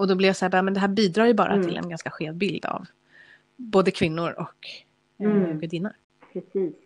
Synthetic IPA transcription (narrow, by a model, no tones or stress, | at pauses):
ɔd̪ɔblɪvjasaːbɑːmɛnd̪ɛɦæːɾbiːd̪ɾɑːjɵbɑ̰ːɾʔa̰t̪ʰɪlɛ̰nɡanskaɧeːvd̪bɪld̪a̰v | boːd̪əkʰvɪnːʊɾɔk | ɡɵd̪ɪːna̰ɾ | pʰɾɛsiːs